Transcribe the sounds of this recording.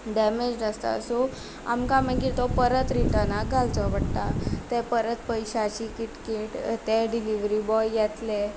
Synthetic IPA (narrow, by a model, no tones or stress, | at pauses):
ɖɛmed͡ʑɖəst̪a̰so | a̰mkaməɡit̪ɔpəɾət̪ɾiʈ̪anaɡʱalt͡sɔʋəɽt̪at̪ɛ̃pəɾət̪pəjɕat͡ɕikiʈkeʈt̪ɛɖiliʋɾibɔjjɛt̪le